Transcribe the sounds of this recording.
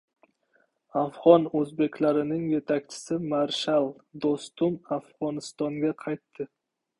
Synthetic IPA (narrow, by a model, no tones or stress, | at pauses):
afʁɒnɵzbe̞kʲlaɾɪnɪŋje̞t̪ʰakʲt͡ʃʰɪ̥sɪmaɾʃalˠd̪ost̪ʊmafʁɒnɪst̪ɒŋɡʲaqʰɑjt̪ʰːɪ